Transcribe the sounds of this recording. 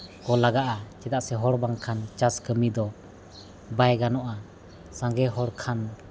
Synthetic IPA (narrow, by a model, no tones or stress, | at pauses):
kɔlaɡaʔat͡ʃɛd̪aʔsɛɦɔɽbaŋkʰant͡ʃaskəmid̪ɔ | bajɡanɔʔa | saŋɡɛɦɔɽkʰan